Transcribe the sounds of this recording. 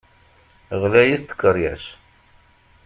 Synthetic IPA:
ʁlæjiθt̪ːə̥kːərˤjæs

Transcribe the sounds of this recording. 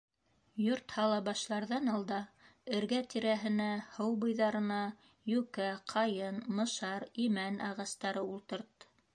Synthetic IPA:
joɾt̪hɑlˠɑbɑʃlˠɑɾðɑnɑlˠd̪ɑɘ̆ɾɡæt̪iɾæɦɘ̆næhɤwbɤ̆jðɑɾɤ̆nɑ | jʉkæqʰɑjɤnmɤ̆ʃɑɾimænɑʁɑst̪ɑɾɤulˠt̪ɤ̆ɾt̪

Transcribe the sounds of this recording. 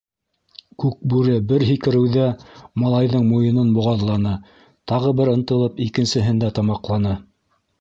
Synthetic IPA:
kʉk̚bʉɾɘbɘɾɦikɘ̆ɾɘ̆wðæmɑlˠɑjðɤɴmujɤ̆nɤnbŏʁɑðlˠɑnɤ | t̪ɑʁɤbɘɾɤ̆nt̪ɤ̆lˠɤpikɘ̆nsɘ̆ɦɘ̆nd̪æt̪ɑmɑqlˠɑnɤ

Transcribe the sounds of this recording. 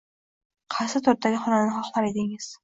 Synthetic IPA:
qʰɑsɪt̪ʰʊɾ̚aɡʲɪχɒnananɪχɒχlˠaɾed̪ɪŋɪz̥

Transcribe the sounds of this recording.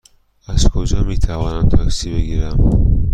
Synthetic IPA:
azkʰod͡ʒɑmit̪ʰawanamt̪ʰaksibəɡiɾam

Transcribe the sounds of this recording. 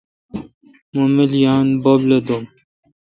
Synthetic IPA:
momiljaːnbobled̪om

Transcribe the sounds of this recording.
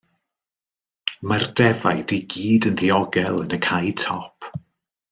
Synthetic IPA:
mardɛva̰jdiɡiːdənðiɔɡɛlˠənəkʰajtʰɔpʰ

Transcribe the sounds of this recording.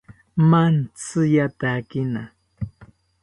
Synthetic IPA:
mant͡sɨjat̪akɪna

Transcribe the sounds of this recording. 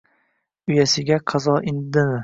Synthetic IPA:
ʊjasɪɡʲaqʰɑzɒɪnd̪ɪmɪ

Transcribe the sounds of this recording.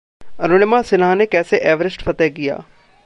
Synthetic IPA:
ənoːnɪmaːsɪnãːneːkɛːseːʔɛːʋəɾɪsʈfʰət̪ɛːɡɪja̰ː

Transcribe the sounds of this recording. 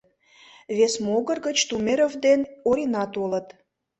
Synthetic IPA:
βesmoɣə̆rɣət͡ɕt̪umeɾovd̪enoɾʲinɑt̪olət̪

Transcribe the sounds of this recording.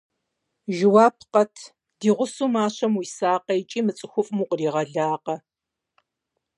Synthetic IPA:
ʒɪwaːpʰqɐtʰ | d̥iːʁʷʊsuːmaːɕɐmwisaːqɐjt͡ʃʼiːmɨt͡sʼɨxʷʊfʼmuːqriːʁɐɮaːqɐ

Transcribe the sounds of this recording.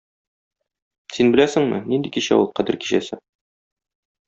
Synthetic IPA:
sinbɘ̆læsɘ̆ŋmɘ̰nind̪ikiɕæ̰ulˠqæd̪ɘɾki̥ɕæsɘ

